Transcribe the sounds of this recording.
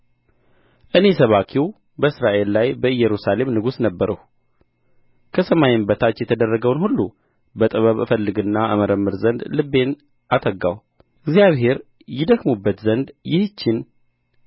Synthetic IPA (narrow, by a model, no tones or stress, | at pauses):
ʔɨne̞səβakʰiw | bəɨsɾaʔe̞lːajbəɨjːɛɾusale̞mnɨɡusnəbːəɾəh | kʰəsəmajɪmbət̪ʰat͡ʃːjɛt̪ʰəd̪ərːəɡəwnhulːu | bət̪ʼɨβəβɨfəlːɨɡɨnːaʔə̰məɾəmːɨɾzənd̪lɨbːe̞n | ʔat̪ʰʼəɡaw | ɨɡzijaβhe̞ɾ | jɪd̪əkmubːət̪zənd̪jɪht͡ʃːɪn